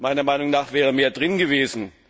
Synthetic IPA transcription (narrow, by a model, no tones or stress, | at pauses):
maɪnɐmaɪnʊŋnaːχv̥ɛːʁ̞əmeːɐdʁɪnɡəveːzn̩